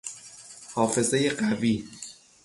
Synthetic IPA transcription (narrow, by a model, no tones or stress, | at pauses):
hɒːfe̞ze̞jeɢæviː